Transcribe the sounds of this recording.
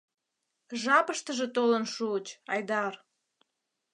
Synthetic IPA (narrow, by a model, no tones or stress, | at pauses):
ʒɑpəʃt̪əʒet̪olənʃuət͡ɕɑjd̪ɑr